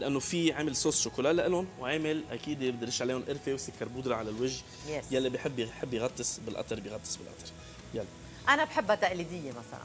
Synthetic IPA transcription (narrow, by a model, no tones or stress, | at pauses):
lʔanːofiʕaːmɪlsˤoːsʃʊkuːlaːlaʔɪlʊnwʕeːmɪlʔa̰kiːd̪bd̪ɪɾɪʃaʕleːhʊnʔɪɾfewsɪkːɑɾˤbuːd̪ɾɑʕalalwɪʒ | jalːibjħɪbːħɪbːjɣɑt̪ˤːɨsbɪlʔɑ̰t̪ˤɑɾˤbjɣɑt̪ˤːɨ̥sˤbɪlʔɑ̰t̪ɑɾˤ | jalːi | ʔanabħɪbːhat̪aʔliːd̪ɪjːemasa̰la̰n